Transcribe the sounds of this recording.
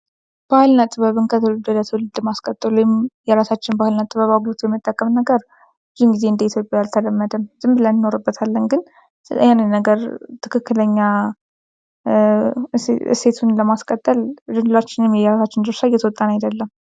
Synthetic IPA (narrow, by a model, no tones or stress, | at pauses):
b̥ahɨlnət̪ʼːɨβəβɨnkʰət̪ʰəlɨd̪ələt̪ʰwlɨd̪ləmaskʼət̪ʼːɨlujmjɛɾasat͡ʃːɪnbahɨlnat̪ʼːɨβəβaɡut̪jɛmːɨt̪ʼːəkʼːəmnəɡəɾ | d͡ʒiŋɡize̞ɨnd̪əit̪ʰjo̞pʼjajalt̪ʰələmːəd̪əmzɨmbɨlənnoɾɨbːət̪ʰalːənɡɨn | ɨjanːɨnːəɡəɾt̪ʰɨkʰɨkːɨləɲːa | ɨ̰se̞t̪ʰunləmaskʼət̪ʼːəld̪ɨnlat͡ʃːɪnɛmjjɛɾasat͡ʃːɪnd̪ɨɾsajːɛt̪ʰəwɔt̪ʼːanajd̪əlːəm